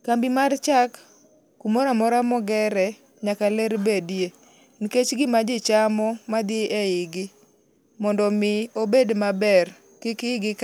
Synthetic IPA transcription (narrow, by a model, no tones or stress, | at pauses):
kambɪmart͡ʃakː | umoɾamɔɾamɔɡɛɾɛ | ɲakaleɾbedje | niket͡ʃɡɪmad͡ʒɪt͡ʃamɔmad̪ɪɪɛɪɡɪ | mɔndɔmɪobedmabɛr | kɪkɪɡɪk